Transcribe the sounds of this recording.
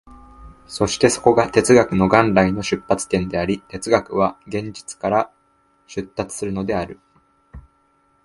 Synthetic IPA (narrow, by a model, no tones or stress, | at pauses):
so̞ɕi̥t̪e̞so̞̥ko̞ɡat̪e̞t͡sɨɡakɯ̟no̞ɡãnɾaino̞ɕɨpːat͡sɨ̥t̪ẽ̞nd̪e̞aɾʲit̪e̞t͡sɨɡakɯ̟βaɡẽ̞ɲ̟d͡ʑi̥t͡sɨ̥kaɾa | ɕɨt̪ːat͡sɨ̥sɨɾɯ̟no̞d̪e̞aɾɯ̟